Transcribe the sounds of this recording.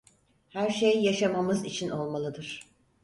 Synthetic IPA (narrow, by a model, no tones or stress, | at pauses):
hæɾʃejːaʃamamɯzit͡ʃʰino̞lˠmalˠɯd̪ɯɾ̥